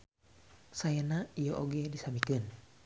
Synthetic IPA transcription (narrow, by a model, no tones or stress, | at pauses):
sajanaijɔʔoɡɛdisamikɨn